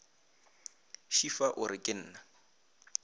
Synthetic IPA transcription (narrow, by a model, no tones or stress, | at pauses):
ʃifaʔʊɾɪkʼɪn̩ːna